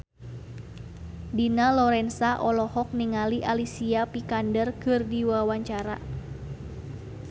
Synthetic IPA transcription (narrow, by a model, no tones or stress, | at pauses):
dinalɔɾɛnsaʔɔlɔhɔk̚niŋaliʔalisiapikandərkɨrdiwawaɲt͡ʃaɾa̰